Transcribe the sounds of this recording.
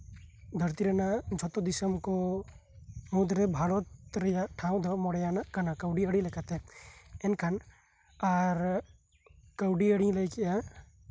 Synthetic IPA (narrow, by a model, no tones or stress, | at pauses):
d̪ʱɐɾt̪iɾenad͡ʒʱɔt̪od̪isəmko | mũd̪ɾebʱaːɽot̪ɾɐjaʈʰãːw̃d̪ʱɐmɔɽjaːnakɐnakɐwɖiəɽĩlekʰət̪ẽenkʰɐn | aːɾ | kɐwɖiəɽĩlɐjkja